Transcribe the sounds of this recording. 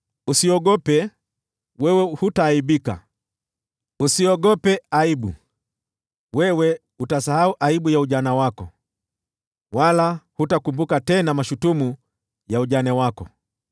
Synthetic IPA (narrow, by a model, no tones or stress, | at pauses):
usiɔɡɔpɛ | wɛwɛhutaːiɓika̰ | usiɔɡɔpɛaiɓṵ | wɛwɛ | utasahauʔaiɓujauʄanawakɔ | walahutakumbukatɛnamaʃutumu | jauʄanawakɔ̰